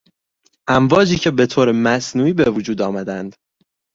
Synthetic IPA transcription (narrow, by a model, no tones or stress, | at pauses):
ʔæmvɒːd͡ʒiːcʰe̞be̞t̪ʰoːɾemæsnuːiːbevud͡ʒuːd̪ɒːmæd̪ænd̪̥